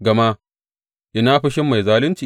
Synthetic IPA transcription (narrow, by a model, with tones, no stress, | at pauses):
ɡɐ˨ma˦ | ʔɪ˦naː˦ɸɪ˦ʃɪ˦mːa˨jzaː˦lɪ˦nt͡ʃiː˨